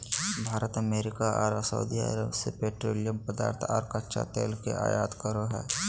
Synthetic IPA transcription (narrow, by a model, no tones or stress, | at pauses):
bʱaːɾət̪əmeːɾɪkaʔɔːɾsə̰ud̪iə̰ɾəbsepeːʈɾoːlijəmpəd̪a̰ːɾt̪ʰaːɾkətːʃa̰t̪eːlkeʔa̰ːjaːt̪kəɾoɦɛ̰ː